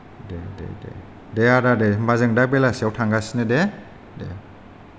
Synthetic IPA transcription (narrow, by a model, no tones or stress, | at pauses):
dedḛdḛ | deadademazɯŋdak̚belaseawtʰaŋɡasinede | dḛ